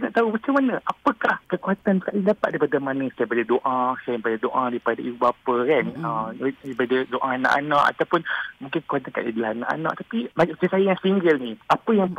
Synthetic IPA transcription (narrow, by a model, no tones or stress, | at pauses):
naʔt̪aubat͡ʃəmanəʔapəkahkəkuɦat̪ankaʔidapa̰t̪̚daipadəmanə̃sajəbələdoʔasajbaladoʔadaipadaʔibubapəkanəibadədoʔana̰ʔanãʔa̰t̪awpʊnmũŋkɪnkə̥kuat̪anka̰ʔḭdlanːa̰ʔa̰na̰ʔt̪apimamat͡ʃasajəjaŋsiŋɡəlniʔapəjaŋ